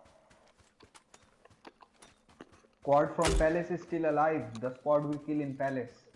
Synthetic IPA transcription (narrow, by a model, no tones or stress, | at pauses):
kɔːɾɖfɾɔ̃mpælesɪzsʈɪləlaɪʋd̪əspɔːɾʈʋɪlkɪlɪ̃npæles